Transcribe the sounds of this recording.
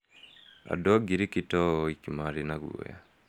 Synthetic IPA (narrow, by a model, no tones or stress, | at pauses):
a̰dɔɡiɾikitɔikimaɾinaɣṵo̰ja̰